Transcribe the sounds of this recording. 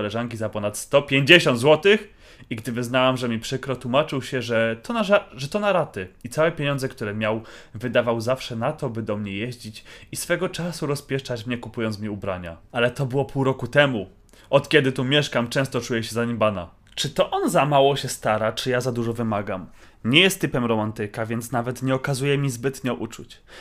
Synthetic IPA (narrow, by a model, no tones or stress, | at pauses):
ɔlɛʐaŋkʲizapɔnat̪st̪ɔpʲjeɲd͡ʑeɕɔnd̪zwɔt̪ɘx | iɡd̪ɘvɘznawamʐɛmʲipʂɘkɾɔt̪wumat͡ʂɘwɕɛʐɛt̪ɔnaaʐɛt̪ɔnaɾat̪ɘit̪sawɛpʲjeɲɔ̃ndzɛkt̪uɾɛmʲjawvɘd̪avawzafʂɛnat̪ɔbɘd̪ɔmɲɛjeʑd͡ʑit͡ɕisfɛɡɔt͡ʂasuɾɔspʲjɛʂt͡ʂat͡ɕmɲɛkupujɔnt̪mʲɲɛubɾaɲa̰alɛt̪ɔbɘwɔpʰuwɾɔkut̪ɛmu | ɔt̪kʲɛd̪ɘt̪umʲjɛʂkamt͡ʂɛ̃w̃st̪ɔt͡ʂujɛɕɛzaɲimbana̰ | t͡ʂɘt̪ɔʔɔnzamawɔɕɛst̪aɾat͡ʂɘjazad̪uʐɔvɘmaɡam | ɲɛjɛst̪ːɘpɛmɾɔmant̪ɘkavʲjɛnt̪snavɛt̪ɲɛɔkazujɛmʲizbɘt̪ɲɔʔut͡ʂṵt͡ɕ